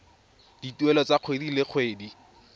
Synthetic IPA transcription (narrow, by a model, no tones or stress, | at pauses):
d̥ituɛlɔt͡saq͡χʰwedilɪk͡xʰweːdi